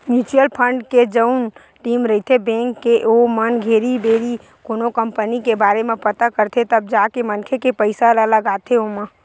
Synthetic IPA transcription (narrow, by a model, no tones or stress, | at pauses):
njuːt͡ʃujəlpʰə̃ɳɖked͡ʒəʊn | ʈiːmɾəɦit̪ʰebẽːŋkːeʔomənɡʱeːɾibeːɾi | koːnokəmpənikebaːɾemẽpət̪akəɾt̪ʰet̪əb̚d͡ʒaːkemənkʰekepəɪsalələɡaːt̪ʰeomã